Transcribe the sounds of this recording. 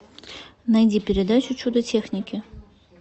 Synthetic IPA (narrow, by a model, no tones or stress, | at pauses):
najdʲipʲɪɾʲɪd̪at͡ɕʊt͡ɕud̪ətʲʰexnʲɪkʲɪ